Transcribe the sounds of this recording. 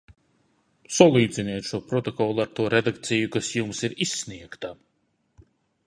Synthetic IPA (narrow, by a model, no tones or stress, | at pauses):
sɔlˠiːd̪zinɛːt̪ʃuɔpɾɔt̪ɔkɔlˠaɾt̪uɔɾed̪akt̪sijukasjumsiɾisʲːniɛkt̪a